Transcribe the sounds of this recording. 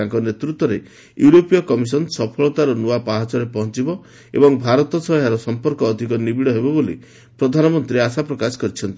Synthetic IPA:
aŋkɔnet̪ɾut̪wɔɾḛ | juɾopijɔkɔmis̬ɔnsɔpʰɔɭɔt̪aɾɔnuapaɦat͡ʃɔɾepɔɦɔnt͡ʃibɔ | ḛbɔŋbʱaɾɔt̪ɔsɔjaɾɔsɔmpɔɾkɔːd̪ʱikɔnibiɽɔɦebɔbolḭ | pɾɔd̪ʱanɔmɔnt̪ɾieasapɾɔkasɔ̥kɔɾit͡ʃʰɔnt̪i

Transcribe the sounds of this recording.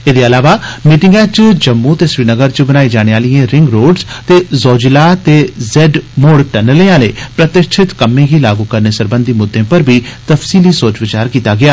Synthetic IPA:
ed̪eːəlaːʋaːmiːʈɪ̃ŋɡɛːt͡ʃd͡ʒəmːut̪eːsʋiːnəɡəɾt͡ʃbənaːid͡ʒaːɽ̃eaːlijẽːɾɪŋɡɾoːɖst̪eːzɔːd͡ʒlaːt̪eːzɛːɖmoːɽʈɛːnəlẽːãːleːpɾət̪ɪkt͡ʃʰɪt̪kəmːẽːɡiːlaːɡuːkəɾneːsəɾbə̃nd̪imʊd̪ʱːẽːpəɾbʱiːt̪əfsiːlisoːt͡ʃʋɪt͡ʃaːɾkiːt̪aːɡɪaː

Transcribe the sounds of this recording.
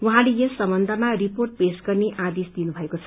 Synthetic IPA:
wuɦãlejʌssʌmʌnd̪ʱamariporʈ̚pesɡʌrneʔad̪esd̪inubʱʌekot͡sʰʌ

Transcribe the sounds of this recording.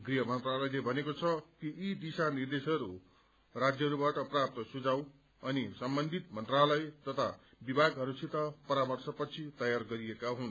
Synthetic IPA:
ɡriɦʌmʌnt̪ralʌjlebʱʌnekot͡sʰʌkiid̪isanird̪esʌɾu | rad͡zjʌɦʌɾubaʈʌprap̚t̪ʌsud͡zaw | ʌnisʌmbʌnd̪ʱit̪mʌnt̪ralʌjt̪ʌt̪ʰa | bibʱaɡɦʌɾusʰit̪ʌpʌɾamʌrsʰʌpʌt͡sʰit̪ʌjarɡʌɾiekaɦun

